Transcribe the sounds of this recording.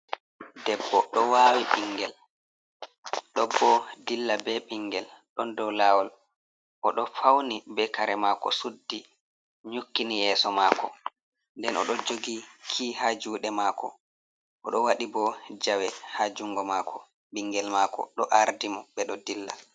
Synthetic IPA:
dɛbːɔɗɔwaːwiɓiŋɡɛl | ɗɔbːɔdilːabɛɓiŋɡɛlɗɔndɔwlawɔl | ʔɔɗɔfawnibɛkaɾɛmakɔ̰sudːi | ɲukːinijɛːsɔmakɔ̰ | ndɛnɔ̰ɗɔd͡ʒoɡikʰiːhad͡ʒuːɗɛmaːkɔ̰ | ʔɔɗɔwaɗibɔd͡ʒawɛhad͡ʒuŋɡɔmaːkʰɔ | ɓiŋɡɛlmakɔ̰ɗɔʔaɾdimɔɓɛɗɔdilːa̰

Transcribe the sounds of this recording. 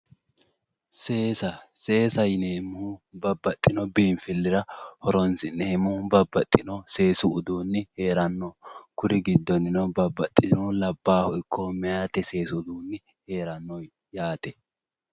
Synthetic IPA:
seːsɐse̞ːsɐjneːmʊhʊbɐbːɐt̪ʼːɪnɔbiːnfɪlːɪɾɐhɔɾɔnsɪneːmʊhʊbɐbːɐt̪ʼːɪnɔse̞ːsʊːd̪uːnːɪhe̞ːɾɐnːɔkʊɾɪɡɪd̪ːɔnːɪnɔbɐbːɐt̪ʼːɪnʊlɐbːaːhɔʔɪkʰːɔmɛjaːt̪ɛse̞ːsʊʊd̪uːnːɪ | he̞ːɾɐnːɔj | jaːt̪ɛ

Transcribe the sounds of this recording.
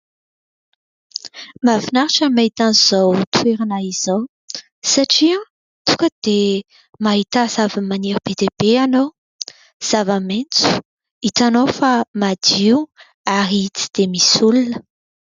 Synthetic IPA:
mavinaɾaʈ͡ʂəmait̪aniz̥owt̪ʰueɾanaiz̥ow | saʈ͡ʂia | t̪ukəd̪̥e | maɦit̪az̥avəmaniɾub̥ed̪eb̥eanow | z̥avament͡su̥ | it̪anowfamad̪iu | aɾit͡si̥d̪̥emisulunə

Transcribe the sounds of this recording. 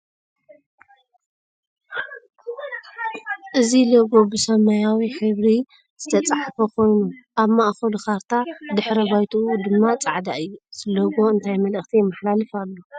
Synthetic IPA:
ʔɨzilɐɡo̞bɨsɐmɐjawiħɨβɾi | z̥ɨt̪ʰɐt͡sʼaħfɐkʰo̞jnuʔaβmaʔxolxaɾt̪ʰad̪ɨħɾɐbajt̪ʰuʔud̪ɨmːat͡sʼaʕd̪aʔɨjːuz̥ɨlɐɡo̞ɨnt̪ʰajmɐlɨxt̪ʰimːaħlalɨfalːo

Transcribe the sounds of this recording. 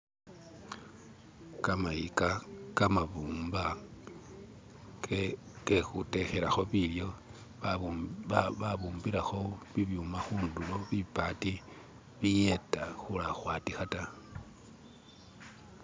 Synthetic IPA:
kamaikakamaβuːmba | kexute̞xe̞ɾaxo̞βiljo̞ | aβuːmbiɾaxo̞βiβjumaxuːnduloβipati | βijetaxulaxwaːtixata

